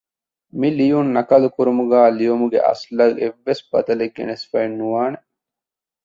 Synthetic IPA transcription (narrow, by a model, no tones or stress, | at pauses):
milijunːɐkɐlukuɾumuɡæːlijomuɡḛʔɐ̰slɐɡeʋːesbɐ̰d̪ɐleɡːḛnesfɐenːuʋaːne